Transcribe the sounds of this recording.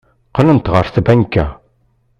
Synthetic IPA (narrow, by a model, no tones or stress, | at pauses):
qələnt̪ʁəɾˤθbænkːæ̰